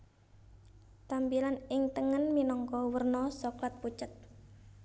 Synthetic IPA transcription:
t̪ampilanɪŋt̪əŋənminɔŋkɔwərnɔsɔklat̪̚put͡ʃət̪̚

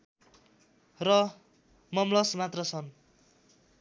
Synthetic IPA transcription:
rʌ | mʌmlʌsmat̪rʌt͡sʰʌn

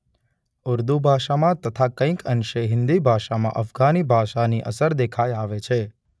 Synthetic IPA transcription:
ʊɾd̪ubʱaʃamãt̪ət̪ʰakə̃ĩkənʃeɦɪnd̪ibʱaʃamã̰ʔəfɡanibʱaʃaniʔə̰səɾd̪ekʰajaʋet͡ʃʰe

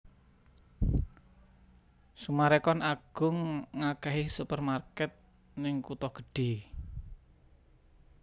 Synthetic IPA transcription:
sumaɾɛkɔnaɡ̥ʊ̤ŋːakɛɦisupərmarkɛt̪̚ | nɪŋkut̪ɔɡ̥ə̤ɖ̥e̤

